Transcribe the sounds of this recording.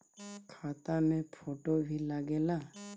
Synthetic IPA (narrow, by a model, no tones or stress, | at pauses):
kʰat̪anepʰoʈobʱilaɡela